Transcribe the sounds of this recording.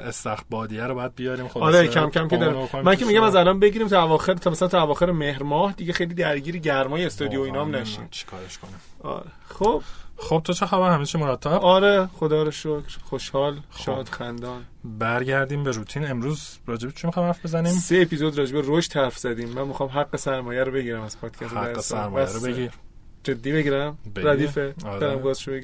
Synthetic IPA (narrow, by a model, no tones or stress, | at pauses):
est̪æxbɒːd̪ijæɾobɒːjæd̪̚bijɒːɾiːmxoːɾecʰæmcʲʰæmkʰeɒːɾimænkʰemiɟæmæzælɒːnbe̞ɟiːɾiːmt̪ʰɔævɒːxeɾt̪ʰmæsælænt̪ʰɔævɒːxe̞ɾemehɾmɒːhd̪iɟexejliːd̪æɾɟiːɾiɟæɾmɒːjeest̪ɒːd̪ijoiːnɒːmnæʃḭːmt͡ʃʰi̥kʰɒ̰ːɾeʃkʰoniɒ̰ːɾexob̥χob̚t̪ʰot͡ʃʰexɒːbæɾhæmet͡ʃʰimoɾæt̪ʰːæ̥ɒɾeχod̪ɒːɾeʃocʰɾχoʃhɒːlʃɒːd̪xænd̪ɒːnbæɾɟæɾd̪iːmbeɾuːt̪ʰiːne̞mɾuːzɾɒːd͡ʒeet͡ʃʰimixɑjmhæɾfbezæniːmseepizod̪ɾɒːd͡ʒe̞beɾoʃt̪hæɾfz̥æd̪iːmːænmixɒːmɦæɡːesæɾmɒːjæɾobe̞ɟiːɾæmæzpʰɒːd̪̥cʰæst̪eæɾesæɾmɔjæɾobeɡiɾ | d͡ʒe̞d̪ːiːbeɟiɾæmbeɾæd̪iːfedɾɒɾɾæmɡɒːzʃobei